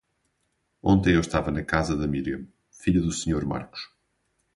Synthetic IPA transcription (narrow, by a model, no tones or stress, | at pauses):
õnt̪ɐ̃j̃ewʃt̪avɐnɐkazɐðɐmiɾiɐm | fiʎɐðusɲoɾma̰ɾku̥ʃ